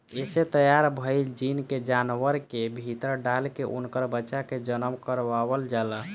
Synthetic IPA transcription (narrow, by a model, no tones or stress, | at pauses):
eset̪əjaɾbʱəjd͡ʒinked͡ʒanʋəɾkebʱit̪əɾɖalkeʔṵnkəɾbətːt͡ʃaked͡ʒənəmkəɾʋaʋəld͡ʒalə